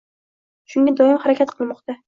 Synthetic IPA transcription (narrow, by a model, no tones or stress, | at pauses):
ʃʊŋɡʲad̪ɒɪmhaɾakʲʰat̪qʰɨlˠmɒqt̪a